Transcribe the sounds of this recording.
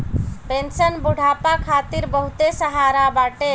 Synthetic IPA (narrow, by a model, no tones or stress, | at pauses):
pensənbuɽ̤ʱapakʰat̪iɾbəɦut̪esəɦaɾabaʈe